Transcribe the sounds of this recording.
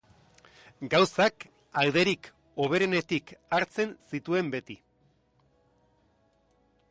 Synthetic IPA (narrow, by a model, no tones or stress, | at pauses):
ɡawsak | awðe̞ɾik | o̞β̞e̞ɾe̞ne̞t̪ikʰaɾt͡se̞nsit̪ue̞mbe̞t̪i